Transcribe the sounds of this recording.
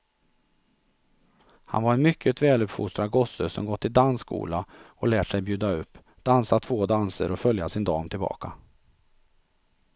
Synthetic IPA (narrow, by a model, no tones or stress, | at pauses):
ha̰nvaɾɛnmʏkʰːət̪vɛːlɵpfʊ̰st̪ɾaɡɔsːəsɔ̰mɡɔt̪ʰːɪld̪anskʰṵːlaɔlɛːʈʂɛjbjʉ̟ːd̪aɵpː | d̪̥ansat̪ʰvoːd̪ansə̰ɾɔfœljasɪnd̪ɑːmt̪ʰɪlbɑ̰ːkʰa